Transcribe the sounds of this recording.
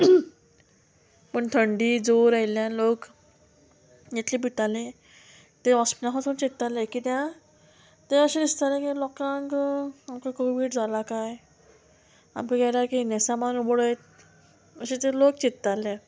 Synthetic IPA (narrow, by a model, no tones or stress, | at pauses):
pəɳt̪ʰəɳɖiːd͡zoɾajljãlok | jat̪ʰlibʱit̪alẽ | t̪eɔspnãɦat̪unt͡ɕit̪ːalakit̪jã | t̪eəɕẽd̪ist̪alẽkilɔkãŋkamkakoʋiːɽd͡zʱalakaj | a̰mkaɡɛlakinasamanubɽəet̪ | əɕet̪elokt͡ɕit̪ːalːa